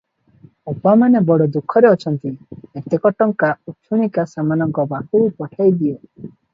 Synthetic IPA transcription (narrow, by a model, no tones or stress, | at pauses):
ɔpamanebɔɽɔd̪ukʰːɔɾeɔt͡ʃʰɔnt̪iet̪ekɔʈɔŋkaut͡ʃʰuɽ̃ikasamanɔŋkɔbakuupɔʈʰajd̪iɔ